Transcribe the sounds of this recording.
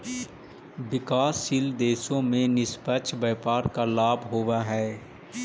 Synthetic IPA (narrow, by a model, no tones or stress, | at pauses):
ʋɪkaːsːild̪eːsõmẽnɪspəʃʰbɛːpaːɾkalaːbʱɦoːʋaɦɛː